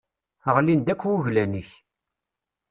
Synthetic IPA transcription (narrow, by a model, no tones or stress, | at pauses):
əʁlind̪ækʷːuʝlæniç